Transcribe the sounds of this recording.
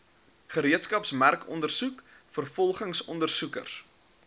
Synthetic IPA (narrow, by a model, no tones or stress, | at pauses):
χəɾiətskɐpsmærkɔ̰ndərsukfərfɔlˠχəŋsɔndərsukə̰rs